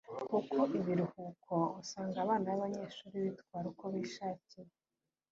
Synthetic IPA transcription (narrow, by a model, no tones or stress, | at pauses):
kukʰoʔiβiɾuhuːkʰo̞osaːŋɡaβaːndajaβaɲe̞ːʃuːɾiβitkwaːɾuko̞βiːʃaːcije